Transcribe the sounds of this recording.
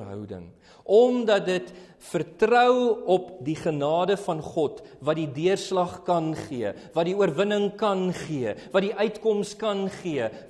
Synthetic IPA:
ɦœ̰wdə̰ŋ | ʔɔmdɐt̚dət | fərtrœwɔp̚diχənɑːdəfɐnχɔtvɐt̚didiərslɐχkɐnχiəvɐt̚diuərvənəŋkɐnχiəvɐtdiʔœɥtkɔmskɐnχiə

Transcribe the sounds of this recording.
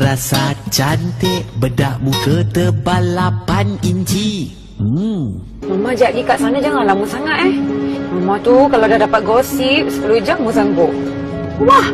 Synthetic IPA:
ɾasat͡ʃant̪ɛʔbədaʔmukət̪əbalapaniɲt͡ʃi | məmad͡ʒaʔɡikaʔsanad͡ʒaŋanlamusaŋat̪ɛhməmãt̪ukalawdadapat̪̚ɡɔsip̚sə̥kəlud͡ʒamus̬aŋkʊʔ | wah

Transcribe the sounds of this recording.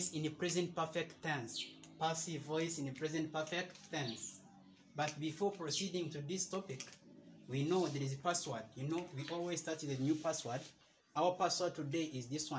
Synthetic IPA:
sɪ̃nɨpʰɹ̥ɛzɨ̃nt̚pɜ˞fɛk̚tθɛ̃nspasivɔɪsɨ̃nɨpʰɹ̥ɛzɨ̃ntpɜ˞fɛk̚tθɛ̃ns | bat̚bifɔɹpɹ̥osidɪ̃ŋtuðistɔpɪkwinoʊðɛɹizɨpaswaɹd̚junoʊwiʔɔlˠwiz̥staɹtðɨnjupaswaɹd | aʊə˞paswad̚tʰudeɪʔɪzðiswã

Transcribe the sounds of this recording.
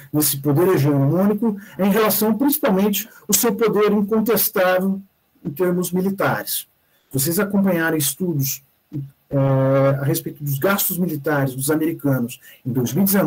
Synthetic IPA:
nesɪpod̪eɾeʒiɐ̃nʊmũnikʊẽj̃ɦelasɐ̃w̃pɾĩsi̥pawmẽnt͡ʃɪ̥ʊsewpod̪eɾĩŋkõnt̪̬est̪avew | ẽt̪eɾmʊzmilit̪aɾɪs | vos̬ejzakõpɐ̃ɲaɾɐ̃w̃ist̪ud̪ʊs | ɛaɦespejt̪ʊd̪ʊzɡast̪ʊzmilit̪aɾɪzd̪ʊzameɾikɐ̃nʊsẽj̃d̪ojzmiwid̪ɪzen

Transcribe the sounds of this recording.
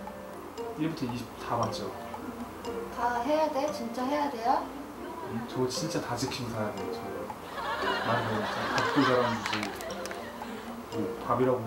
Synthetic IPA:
iɭbutʰʌiɕʰip̚tʰamat͡ɕ͈o | taɦe̞jade̞t͡ɕint͡ɕ͈aɦe̞jade̞jo | it͡ɕʌt͡ɕint͡ɕ͈atad͡ʑɯkʰinsʰaɾameot͡ɕʌ | mandɯt͡ɕakat̚k͈ʰus̬ʰaɾamd͡ʑʰi | mopabiɾaɡo

